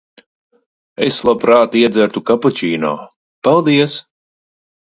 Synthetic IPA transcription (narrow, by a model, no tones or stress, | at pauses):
ḛslˠapɾaːt̪iɛd̪zæɾt̪ukaput͡ʃiːnɔ̰ː | palˠd̪iɛs